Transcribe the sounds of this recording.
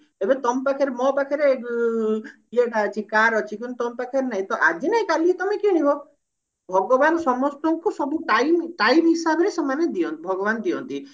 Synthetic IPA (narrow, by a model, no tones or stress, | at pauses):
ebet̪ɔmpakʰaɾemɔpakʰaɾe | ieʈat͡ʃʰikaɾɔt͡ʃʰikunt̪ɔmpakʰaɾenaɦĩt̪ɔʔad͡ʒʱinaĩkaliet̪ɔmekiɽ̃ibɔ | bʱɔɡɔbansɔmɔst̪ɔŋkusɔbuʈajmʈajmɦisabɔɾesɔmaned̪iɔnt̪ibʱɔɡɔβand̪iɔ̰nt̪i